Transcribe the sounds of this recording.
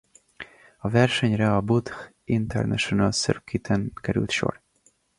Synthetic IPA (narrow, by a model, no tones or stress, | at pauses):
ɒvɛrʃɛɲɾɛɒbut̪x | int̪ʰɛ̰ɾnɛ̰ʃonalsørkʰit̪ʰɛnkɛɾʉ̰lt̪ʃo̰r